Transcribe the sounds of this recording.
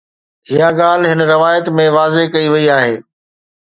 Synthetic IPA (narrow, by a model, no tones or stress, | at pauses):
ɦijaɡaːl̤ɦɪnɾɪʋaːjət̪mẽʋaːzekɐiʋɐiaːɦḛː